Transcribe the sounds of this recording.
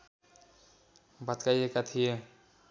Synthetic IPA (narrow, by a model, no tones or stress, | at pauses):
bat̪kajekat̪ʰije